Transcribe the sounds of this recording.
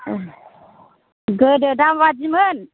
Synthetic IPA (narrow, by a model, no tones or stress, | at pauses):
ɡədədamwad͡ʒimən